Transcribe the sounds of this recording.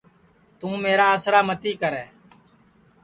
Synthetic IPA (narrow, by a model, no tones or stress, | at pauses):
t̪ũːmeːɾaːəsɾaːmət̪iːkəɾɛː